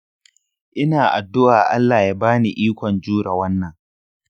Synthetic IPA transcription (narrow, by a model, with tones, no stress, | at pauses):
ʔɪ˦naː˨ʔa˨dːʊ˦ʔaː˨ʔa̰˦lːaː˨jaː˦baː˦ni˨ʔiː˦kʷɔ˨nd͡ʒuː˦ɾa˨wɐ˦nːɐ˨ŋ